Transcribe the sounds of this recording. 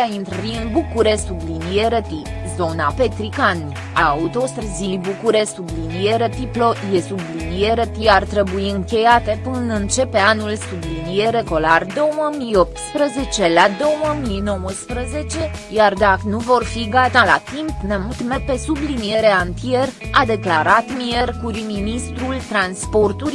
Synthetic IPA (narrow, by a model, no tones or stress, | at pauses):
aint̪ɾəɾiɨnbukuɾesublinije̞ɾet̪i | zo̞nape̞t̪ɾikan | aːut̪o̞st̪ɾəzibukuɾesublinieɾet̪ɾiplo̞je̞sublinije̞ɾet̪iart̪ɾe̞buiɨŋkʲe̞jat̪e̞pɨnɨnt͡ʃe̞peanulsublinije̞ɾe̞ko̞lard̪o̞wəmijo̞p̚t̪spɾəze̞t͡ʃe̞lad̪o̞wəmino̞wəspɾəze̞t͡ʃe̞ | jard̪akənuvo̞rfiɡat̪alat̪impnemut̪me̞pe̞sublinije̞ɾe̞ant̪ie̞rad̪e̞klaɾat̪mierkuɾiminist̪ɾult̪ɾanspo̞rt̪uɾi